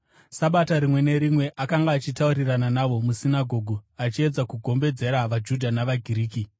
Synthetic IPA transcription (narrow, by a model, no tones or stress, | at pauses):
saɓataɾimwe̞ne̞ɾimwe̞ʔakaŋɡaːt͡ʃitauɾirananaʋo̞musinaɡʱo̞ːɡʱuat͡ʃie̞d͡zakuɡʱo̞mbe̞d͡ze̞ɾaʋad͡ʒudʱanaʋaɡʱiɾiːki